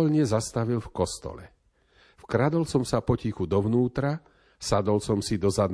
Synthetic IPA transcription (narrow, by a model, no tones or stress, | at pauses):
ɔlɲɛzast̪aʋilfkɔst̪ɔ̰lɛ | fkɾad̪ɔlsɔmsapɔcixud̪ɔʋnuːt̪ɾa | sad̪ɔlsɔmsid̪ɔzad̪n